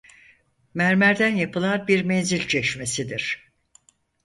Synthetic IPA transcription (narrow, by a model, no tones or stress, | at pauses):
mæɾmæɾd̪ænjapʰɯlˠanɾbiɾmɛnzilʲt͡ʃʰɛʃme̞sid̪iɾ̥